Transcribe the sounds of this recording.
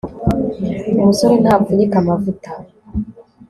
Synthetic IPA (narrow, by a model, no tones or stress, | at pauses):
umusoɾenabuɾikamavuta